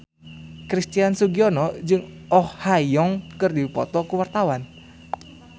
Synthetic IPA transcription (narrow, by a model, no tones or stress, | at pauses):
kɾist̪iansuɡiɔnɔd͡ʒɨŋ | ɔhhajɔŋkɨrdipɔt̪ɔkuwart̪awan